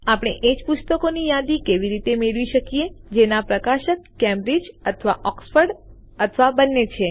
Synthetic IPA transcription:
apɽ̃eʔed͡ʒpʊst̪əkonijad̪ikeʋiɾit̪emeɭʋiʃəkijed͡ʒenapɾəkaʃəkːɛ̃mbɾid͡ʒət̪ʰʋaʔɔksfəɾɖ | ət̪ʰʋabənːet͡ʃʰe

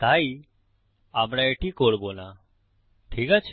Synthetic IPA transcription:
t̪ai | apɽ̃aeʈikoɽbona | ʈʰikat͡ʃʰ

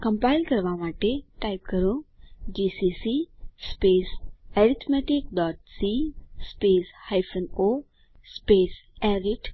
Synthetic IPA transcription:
kə̃mpaɪlkɐɾʋamaːʈeʈajpkəɾũd͡ʒiːsisispeːsɛɾit̪ʰmeʈikɖɔːʈsispeːshajfʰəno | speːsɛɾiʈ

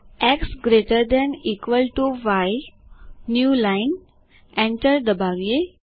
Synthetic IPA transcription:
ɛksɡɾeʈəɾd̪ɛ̃nikʋəlʈuʋaj | njuːlãɪn | ɛ̃ɳʈəɾd̪əbaɡje

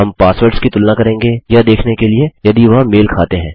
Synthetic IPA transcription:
ɦɐmpaːsʋəɾʈskit̪ʊlnakɐɾẽːŋɡejad̪eːkʰnekeliejɐd̪iʋɐɦmeːlkʰaːt̪eɦɛ̃ː

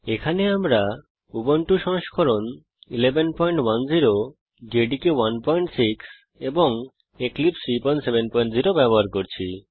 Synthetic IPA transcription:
ekʰaneamɾa | ubonʈuʃɔŋʃkʰɔɾon | ilebenpɔjɳʈwanziɾo | ɡeɖikewanpɔjɳʈsiks | eboŋ | eklipsipɔjɳʈsebenpɔjiɳʈziɾobɛboɦaɾkoɾt͡ɕʰi

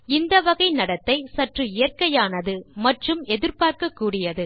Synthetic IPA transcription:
ɪnd̪ɐʋɐɣɐɪnɐɽɐt̪ːɐɪsɐʈrɯɪjɐrkɐjaːnɐðɯmɐʈrɯmɛðɪɾpaːrkɐkːuːɽɪjɐðɯ

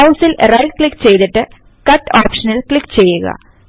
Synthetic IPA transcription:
ɐwsilrɐjklikːt͡ɕe̞jt̪iʈːɨ | kɐʈːoːpʂɐnilkɭikːt͡ɕe̞jːuɣɐ̰

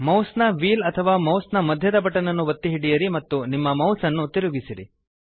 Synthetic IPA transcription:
mɐwsnɐʋiːlɐt̪ʰɐʋaːmɐwsnɐmɐd̪ʱjɐd̪ɐbɐʈːɐnɐnːuʋɐt̪ːiɦiɽijɐɾimɐt̪ːunimːɐmɐwsɐnːut̪iɾuɡisiɾḭ

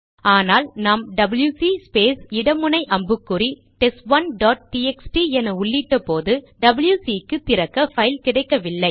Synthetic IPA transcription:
aːnaːlnaːmɖɐbɪljusispeːsɪɽɐmɯnɐɪʔɐmbɯkːɯri | ʈɛsʋɐnɖaːʈ̚ʈiːɛksʈiɛnɐʊɭːiʈːɐpoːðɯ | ɖɐbɪljusiːkːɯt̪ɪɾɐkːɐfɐjɪlkɪɽɐɪkːɐʋɪlːɐɪ

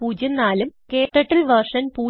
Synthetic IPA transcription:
puːd͡ʑɐnːaːlumkeːʈːɐʈːɐlʋɐrʂɐnpuː

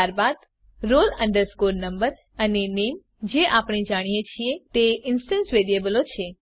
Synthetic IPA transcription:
aɾbad̪ | ɾolə̃ɳɖəɾskoɾnəmbəɾ | ənenem | d͡ʒeʔapɽ̃id͡ʒaɽ̃ijet͡ʃʰiet̪eʔɪnsʈə̃nsʋeɾiebəlot͡ʃʰe

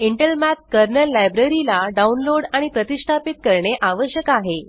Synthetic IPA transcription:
iɳʈəlmæt̪̚kəɾnəlːajbɾəɾilaɖaunloɽaɽ̃ipɾət̪isʈʰapit̪̚kəɾɳeʔaʋəɕjəkaɦe

